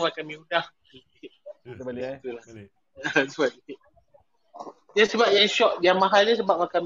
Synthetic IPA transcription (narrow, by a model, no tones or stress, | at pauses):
wakamĩudahki | t̪ulah | asəbap̚i | diasəbap̚jaŋʃɔk̚djaŋmaɦalɲas̬əbap̚wakam